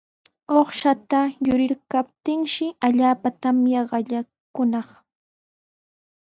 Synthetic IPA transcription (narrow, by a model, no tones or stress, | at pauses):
oχʃat̪ajʊɾɪɾkapt̪ɪŋʃɪaʎaːpat̪amjaɢɑʎa | kʊnɑχ